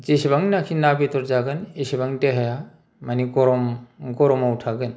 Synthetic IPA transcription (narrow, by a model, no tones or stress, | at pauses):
zisibaŋnakʰinabitɔɾzaɡɯnisibaŋteɦaja | manikɔɾɔmɡɔɾɔmawtʰaɡɯn